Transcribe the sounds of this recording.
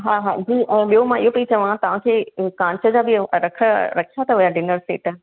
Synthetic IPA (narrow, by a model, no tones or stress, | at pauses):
ɦaːɦaːd͡ʑiːʔɛ̃ːɓijomãɪɦopɐit͡ɕɐʋãt̪ɐʋ̤ãkʰeːkãːnt͡ɕʰəd͡ʑabɪɾɐkʰəɾɐkʰijat̪ʰɐʋʊjaɖɪnəɾsḛːʈ